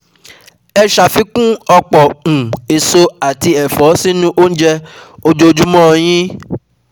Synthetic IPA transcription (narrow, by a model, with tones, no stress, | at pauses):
ɛ˧ʃa˨fi˧˦kũ˦ɔ˧k͡pɔ̃˨e˨so˧a˨ti˧ɛ˨fɔ˨˦sĩ˦nũ˦ʔo˦n̩˦d͡ʒɛ˧o˧d͡ʒo˧d͡ʒu˦mɔ̃˦˧j̃ĩ˦